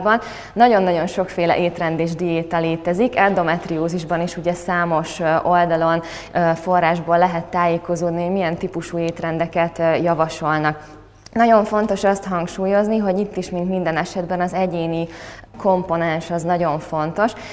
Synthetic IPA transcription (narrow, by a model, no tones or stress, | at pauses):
bɒnː | ɒɟo̞nːɒɟo̞nʃo̞kfeːlɛ̰ʔeːt̪rɛnd̪eːʒd̪ijeːt̪ɛleːt̪ɛzikɛnd̪o̞mɛt̪rɾioːziʒbɒniʃuɟɛsaːmo̞ʃʔo̞ld̪ɒlo̞n | fo̞rːaːʒboːlːɛɦɛt̪ːaːjeːko̞zoːd̪niɦomijɛnt̪ipuʃuːeːt̪rɛnd̪ɛkɛt̪jɒvɒʃo̞lnɒk | nɒɟo̞ɱfo̞n̪t̪o̞ʃɒst̪hɒŋkʃuːjo̞zniɦo̞ɟit̪ːiʃmint̪mind̪ɛnɛʃɛd̪bɛnɒzɛɟeːni | ko̞mpo̞nɛnʃɒznɒɟo̞ɱfo̞nt̪o̞ʃ